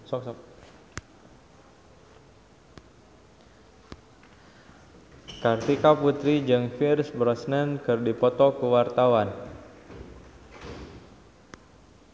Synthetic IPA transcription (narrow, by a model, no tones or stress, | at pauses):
sɔk | kart̪ikaput̪ɾid͡ʒɨŋfirsbɾɔsnənkɨrdipɔt̪ɔkuwart̪awan